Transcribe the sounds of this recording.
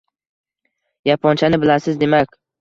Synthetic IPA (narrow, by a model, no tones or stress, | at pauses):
japʰɒnt͡ʃʰanɪbɪlasɪzd̪e̞makʲ